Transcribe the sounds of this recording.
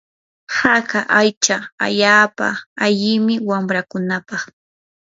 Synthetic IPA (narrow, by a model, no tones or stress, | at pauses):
hakaʔajt͡ʃaa̰ʎaːpa̰aʎɪmɪwamɾakʊnapɑχ